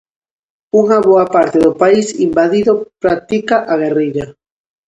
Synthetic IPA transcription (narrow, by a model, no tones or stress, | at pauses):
uŋaβoapaɾt̪eðopaisimbaðiðopɾat̪ikaʔaɣ̞erijɾa